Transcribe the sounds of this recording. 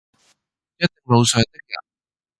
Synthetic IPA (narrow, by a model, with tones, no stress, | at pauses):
jɐ˥t̪̚ːɪ˨˩ŋmo˨˧wsœː˨˧ŋt̪ɪ˥k̚jɐ̰˨˩